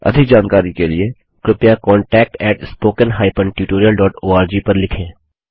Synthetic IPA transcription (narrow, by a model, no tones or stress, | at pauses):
ɐ̰d̪ʱɪk̚d͡ʒaːnkaːɾikelie | kɾɪpjakɔ̃ːɳʈɛːk̚ʈɛːʈspoːkənɦaːɪpə̃ɳʈjuːʈoːɾijəlɖɔːʈoːaːɾd͡ʒiːpɐɾlɪkʰẽː